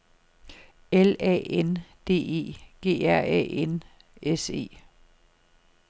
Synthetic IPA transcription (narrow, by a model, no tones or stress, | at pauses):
elɛ̰ːend̥e̝̰ːe̝̰ːɡ̥e̝̰ːæɐ̰ɛ̰en | ese̝̰ː